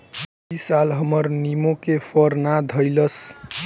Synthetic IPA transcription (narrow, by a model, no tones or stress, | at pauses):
isalɦəmʌɾnimokepʰʌɾnad̪ʱʌjlʌs